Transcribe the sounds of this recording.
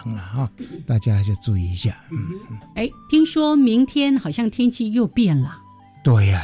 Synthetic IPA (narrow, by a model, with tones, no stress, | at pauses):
ŋlə˨hɔ˥˧t̪a˥˧˩t͡ɕja˦a˧t͡ɕa˥˧˩t͡su˥˧i˨˧˩i˧˦ɕja˥˩m̩˥˩˥e˥˩ɪt̪ʰi˥ŋʂwɔ˥mi˧˥ŋt̪ʰjɛ˥nxɑ˨˩ɕjɑ˥˩ŋt̪ʰjɛ˥nt͡ɕʰi˥˧jo˥˧ʊpjɛ˥˩nlə˩ | t̪we˥˩ɪa˨